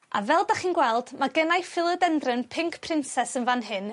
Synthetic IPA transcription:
a̰vɛlˠdaχiːnɡwɛlˠd̥maɡənajfɪlˠədɛndrɨnpʰɪŋkʰpʰrɪnsɛsənvanɦɨn

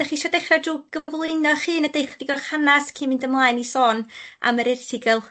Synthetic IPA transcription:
d̥aχiːʃɔdeχrɔdruːɡ̥əvlˠɨnɔχɨːnədejχɔdiɡɔrχanaskʰimɪndəmlˠaːjnisɔːna̰məɾɪrtʰɪɡɛlˠ

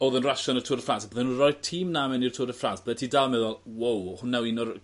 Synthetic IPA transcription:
oːðənraʃɔnərtʰʊɾəfransabəðɛnunrɔjðtʰiːmnamɛnirtʰʊɾəfransb̥ðɛtʰiːdalˠmɛðɔlˠwowhʊnːawɪnɔr

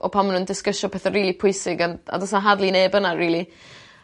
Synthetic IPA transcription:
ʔɔ̰pʰamənundɪskəʃɔpʰɛːθəriːlˠipʰʊɨsɪɡana̰dɔsnaɦadlˠineːbənariːlˠi

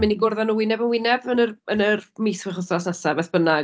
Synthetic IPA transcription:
mɪniɡʊrðanuwɪnɛbənwɪnɛbənərənərmijswɪχəθrɔsnasabɛθb̥əna

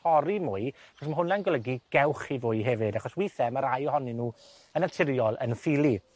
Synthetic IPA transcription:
ɔɾimʊːɨaχɔsmaɦʊnɛnɡwɛlˠəɡiɡ̥ɛwχivʊːɨɦɛvɪdaχɔswiθɛmaɾajɔhɔninuː | ənatʰɪɾjɔlˠə̰nfilˠi

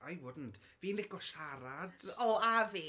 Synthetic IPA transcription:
ajwʊdn̩tʰ | viːnlɪɡɔʃaɾad̥ɔaviː

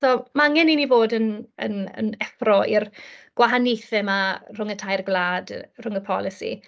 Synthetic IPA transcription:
soːmaaŋɛninivoːdənə̰nə̰nɛfrɔʔirɡ̥waɦanejθɛmarʊŋətʰajrɡlˠaːdrʊŋəpʰɔlˠɪsḭ

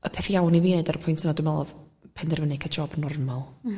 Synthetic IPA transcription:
əpʰɛθijawniviːnɛɨdaɾəpʰʊjntʰənadʊmɛlˠɔ̰ð | pʰɛndɛrvənɛkʰəd͡ʒɔːbənɔrmalˠ

